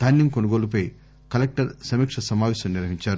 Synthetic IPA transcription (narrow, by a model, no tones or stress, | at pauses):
d̪̥ʱaːnːiŋkonuɡoːlup̬ɐj | kɐlek̚ʈɐɾsɐmiːkʂɐsɐmaːʋɛːʃɐmniɾʋɐɦiɲt͡ʃaːɾu